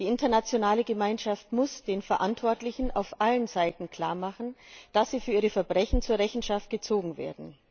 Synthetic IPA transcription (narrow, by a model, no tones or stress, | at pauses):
d̥iːʔɪntɐnat͡sjonaːləɡəmaɪnʃaftmʊsd̥eːnfɛɐʔantv̥ɔɐtlɪçn̩ʔa̰ʊfʔalənzaɪtn̩kʰl̥a̰ːɐmaχn̩d̥asz̥iːfyːɐiːʁəfɛɐbʁɛçn̩t͡suːɐʁɛçn̩ʃaft̚ɡ̥ət͡soːɡŋ̩vḛːɐdn̩